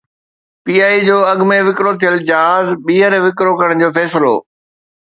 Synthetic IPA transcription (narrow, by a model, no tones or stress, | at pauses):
piːaːid͡ʑoːɐɡmeʋɪkɾot̪ʰijəld͡ʑɐɦaːzɓiːɦəɾʋɪkɾokɐɾəɽ̃d͡ʑoːfɛːsɪlo̰ː